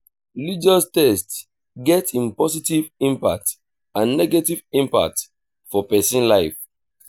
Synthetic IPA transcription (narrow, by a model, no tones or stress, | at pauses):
lid͡ʒɔstɛst | ɡɛtĩmpɔsitivĩmpa̰k̚t | ãnːɛɡetivĩmpa̰k̚t | fɔpɛsĩnlaɪf